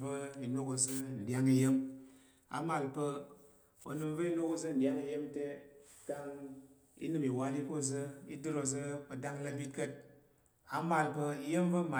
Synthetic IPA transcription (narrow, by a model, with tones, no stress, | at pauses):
və˦i˨no˦ko˧zɨ˦n̩˨dʲja˦ŋi˧je˦m | a̰˨ma˨lpə˧ | o̰˨nɨ˧mvə˦i˦no˦ko˧zɨ˦n̩˨dʲa˦ŋi˧je˦mte˦ | ka˧ŋ | ḭ˦nɨ˦˨mi˨wa˧li˦ko˦˨zɨ˦ḭ˦dɨ˦ɾo˧zɨ˦o˧da˦ŋ˦la˧bi˦kə˦t̚ | a˨ma˨lpə˧i˧je˦mvə˦ma˨